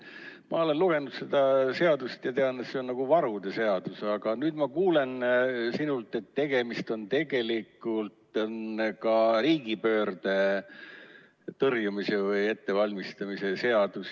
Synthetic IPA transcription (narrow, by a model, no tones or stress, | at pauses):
mɑo̞le̞nluɡ̥e̞nud̪̥se̞d̪ɑse̞ɑd̪̥ust̪jɑt̪e̞ɑnet̪seonnɑɡ̥uvɑɾud̪e̞se̞ɑd̪̥usɑɡ̥ɑnyːd̪̥mɑkuːle̞nsinult̪ːˑe̞t̪ːe̞ɡ̥e̞mist̪o̞nt̪e̞ɡ̥e̞likːˑult̪nkɑɾiːɡipø̞ːrd̪̥e̞ | t̪ɤrjumise̞vɯje̞t̪ːe̞vɑlʲmist̪ɑmise̞se̞ɑd̪̥us